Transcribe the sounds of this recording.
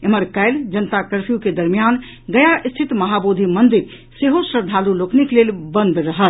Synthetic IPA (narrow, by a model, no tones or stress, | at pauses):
eməɾkaɪld͡ʒənət̪akəɾpʰijuked̪əɾmijan | ɡ̪əjaʔist̪ʰit̪məɦabod̪ʱimənd̪iɾ | seɦosɾəɾd̪ʱalulokniklelbənd̪ɾəɦəl